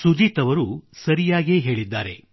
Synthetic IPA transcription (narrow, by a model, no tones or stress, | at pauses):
sud͡ʒiːt̪ɐʋɐɾusɐɾijaːɡe̞ːɦe̞ːɭid̪ːaːɾe̞̰